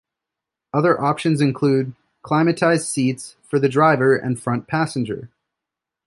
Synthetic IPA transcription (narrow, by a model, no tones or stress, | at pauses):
ʌðə˞ʔɑpʃɨ̃nzɨ̃nkʰl̥ʉd̚ | kʰl̥ãɪ̃mɨtʰaɪz̥sitsfə˞ðɨdɹaɪvə˞ɨ̰̃nfɹʌ̃npʰæsɨ̃nd͡ʒə̰˞